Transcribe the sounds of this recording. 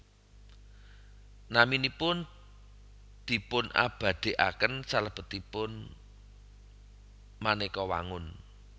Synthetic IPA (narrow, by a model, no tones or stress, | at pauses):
naminipʊn | d̪̥i̤pʊna̰b̥ä̤d̪̥e̤ʔa̰kənsaləb̥ə̤t̪ipʊn | manekɔwa̰ŋʊn